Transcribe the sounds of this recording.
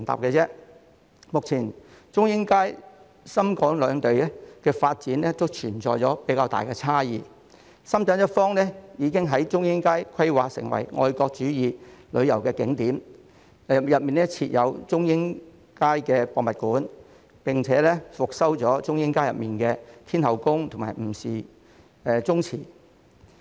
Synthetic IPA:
ɪ˨˩ŋt̪a̰ː˨p̚kɛː˧t͡sɛː˥ | mʊ˨k̚t͡sʰiː˨˩n | t͡ʃʊ˥ŋjɪ˥ŋkaː˥j | sɐ˥mkɔː˨˥ŋlœː˨˧ŋt̪e˨ɥɛ˥kɛː˧faː˧t̚t͡siː˨˥nlɛ˥t̪o˥wt͡ʃʰyː˨˩nt͡sɔː˨jt͡sɔː˨˥pe˨˥kaː˧wt̪a̰ː˨jkɛ˧t͡sʰaː˥jiː˨˧ | sɐ˥mt͡sɐː˨˥njɐ˥t̚fɔː˥ŋnɛ˥jiː˨˧kɪ˥ŋɦɐ˨˥jt͡ʃʊ˥ŋjɪ˥ŋkaː˥jkʰɐ˥jwaː˨k̚sɪ̰˨˩ŋwɐ̰˨˩jŋʔɔ̰ː˧jkɔː˧k̚t͡ʃyː˨˥jiː˨˧lɵ̰˨˧ɥjɐ˨˩wkɛː˧kɪ˨˥ŋt̪iː˨˥m˨ | jɐ˨p̚miː˨˩nlɛ˥t͡sʰiː˧t̚jɐ˨˧wt͡sʊ˥ŋjɪ˥ŋ | kaː˥jkɛː˧kɔː˧k̚mɐ˨t̚kuː˨˥n | pɪ˨ŋt͡sʰɛː˨˥lɛ˥fʊ˨k̚sɐ˥wt͡sɔː˨˥t͡ʃʊ˥ŋjɪ˥ŋkaː˥jɐ˨p̚miː˨nkɛː˧t̪ʰiː˥nhɐ˨˩wkʊ˥ŋt̪ʰʊ˨˩maː˨˩jm̩˨˩siː˨ | ɛ˨˧t͡sʊ˥ŋt͡sʰḭː˨˩

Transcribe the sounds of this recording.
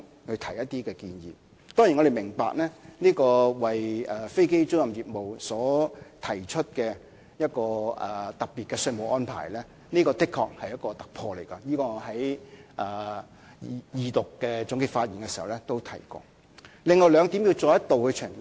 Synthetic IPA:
hɵ˧t̪ʰɐ˨˩jɐ˥t̪̚iː˥kɛː˧kiː˧njiː˨ | t̪ɔː˥ŋji˨˩nŋɔ˨˧de˨jmɪ˨˩ŋpa̰ː˨k̚nɛː˥niː˥kɔː˧wɐ˨jɛː˨˩fe˥jke˥jt͡ʃʊ˥wjɐ˨mjiː˨p̚mo˨wsɔː˨˥t̪ʰɐ˨˩jt͡ʃʰɵ˥t̚kɛː˧ | jɐ˥t̚kɔː˧ʔɛ˨˩t̪ɐ˨piː˨t̚kɛː˧sɵ˧jmo˨˩wʔɔː˥npʰa̰ː˨˩jlɛː˥ | niː˥kɔː˧t̪ɪ˥kʰːɔː˧k̚hɐ˨jɐ˥t̚kɔː˧t̪ɐ˨k̚pʰɔː˧le˨˩jkɔ˧jiː˥kɔː˧ŋ˨˧ɦɐ˨˥jʔɐː˨˧ | jiː˧t̪ʊ˨kːɛː˧t͡sʊ˨˥ŋkɪ˧˩faː˧t̚ji˨nkɛ˧si˨˩hɐ˨˩wlɛ˦˥t̪o˥wt̪ʰɐ˨˩jkɔ̰ː˧ | lɪ˨ŋɔ˨˧wlœː˨˧ŋt̪i˨˥mji˧wt͡sɔː˧jɐ˥t̚t̪o˨whɵ˧ɥt͡ʃʰɵ˨˩ŋ

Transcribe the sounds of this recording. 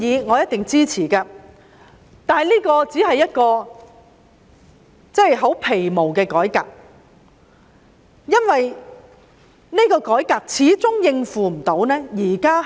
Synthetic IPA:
iː˨˧ŋɔː˨˧jɐ˥t̚t̪ɪ˨ŋt͡siː˥t͡sʰiː˨˩kaː˧ | t̪aː˨liː˥kɔː˧t͡siː˨˥ɦɐ˨jːɐ˥t̚kɔː˧ | t͡sɛ˥jɦo˨˥wpʰe˨˩jmo˨˩wkɛː˧kɔː˨˥jka̰ː˨k̚ | jɐ˥nwɐ˨j | ne˥kɔː˧kɔː˨˥jkaː˨˧k̚t͡sʰiː˨˥t͡sʊ˥ŋjɪ˧ŋfuː˨m̩˨˩t̪o˨˥wnɛː˥jiː˨˩kaː˥

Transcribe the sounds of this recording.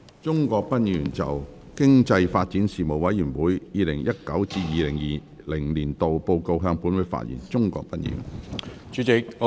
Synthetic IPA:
t͡sʊ˥ŋkɔː˧k̚pɐ˥t̚jyː˨˩nt͡sɐ̰˨w | kɪ˥ŋt͡sɐ˧jfaː˧t̚t͡si˨˥nsiː˨˩mo˨˩wwɐ˨˥jjyː˨˩nwuː˨˥jjiː˨lɪ˨˩ŋjɐ˥t̚kɐ˨˥wt͡siː˧jiː˨˧lɪ˨˩ŋjiː˨ | lɪ˨˩ŋliː˨˩nt̪o˨wpo˧wko˧wɦœː˧ŋpuː˨˥nwʊ˨˧jfa̰ː˧t̚jḭ˨˩nt͡sʊ˥ŋkɔ̰˧k̚pɐ˥t̚jy̰ː˨˩nt͡ʃyː˨˥t͡sɪ˨k̚ː

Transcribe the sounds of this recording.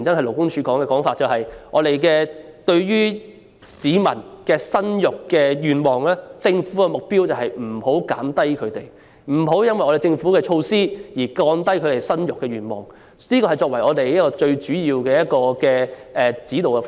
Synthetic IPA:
ŋt͡sɐ˥ŋɐ˨jlo˨˩wkʊ˥ŋt͡ʃʰyː˨˧kɔː˨˥ŋɛː˧kɔː˨˥ŋfaː˨t̚t͡sɐ˨whɐ˨jŋɔː˨˧t̪e˨jkɛː˧ | t̪ɵ˧ɥɥyː˥ | siː˨˧mɐ̰˨˩nkɛː˧sɐ˥njʊ˨kːɛː˧jyː˨˩nmɔː˨ŋlɛː˥t͡sɪ˧ŋfu˨˥kɛ˧mʊ˨k̚piː˥wt͡sɐ˨wɦɐ˨jm̩˨˩ho˨˥wka̰ː˨˥mt̪ɐ˥jkʰɵ˨˧ɥt̪ḛ˨j | m̩˨˩ɦo˨˥wjɐ˥nwɐ˨jʔɔː˨˧ɾe˨jt͡sɪ˧ŋfuː˨˥kɛː˧t͡ʃʰo˧wsiː˥jiː˨˩kɔː˧nt̪ɐ˥jkʰɵ˨˧ɥt̪e˨˩jsɐ˥njʊ˨kːɛː˧ɥyː˨nmɔ̰ː˨ŋ | niː˥kɔ˧hɐ˨˩jt͡sɔː˧k̚wɐ˨˩jɔː˨˧t̪e˨jɐ˥t̚kɔː˧t͡ʃɵ˧ɥt͡ʃyː˨˥jiː˧wkɛː˧jɐ˥t̚kɔː˧kɛː˧ʔɛː˨t͡siː˨˥t̪o˨wkɛ˧

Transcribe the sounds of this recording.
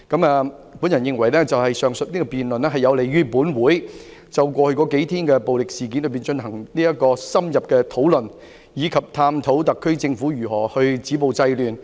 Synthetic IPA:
kɐ˨˥mɛː˨˧ | puː˨˥njɐ˨˩njɪ˨˧ŋwɐ˨˩jlɛː˥t͡sɐ˨whɐ˨jsœː˨˩ŋsɵ˨t̚niː˥kɔː˧piː˨nlɵ˨nɛː˥ɦɐ˨jɐ˨˧wle˨jɥyː˥puː˨˥nwuː˨˥jt͡sɐ˨wkʷɔː˧hɵ˧ɥkɔː˨˥ke˨˥jt̪ʰiː˥nkɛː˧po˨wlɪ˨k̚siː˨˩k̬iː˨˥nlɵ˨˧ɥpi˨nt͡ʃɵ˧nhɐ˨˩ŋniː˥jɐ˥t̚kɔː˧sɐ˥mjɐ˨p̚kɛː˧t̪ʰo˨˥wlɵ˨n | jiː˨˧kʰɐ˨p̚t̪ʰaː˧mt̪ʰo˨˥wt̪ɐ˨kʰːɵ˥ɥt͡sɪ˧ŋfuː˨˥jyː˨˩hɔː˨˩hɵ˧ɥt͡siː˨˥po˨˧wt͡sɐ˧jlyː˨n

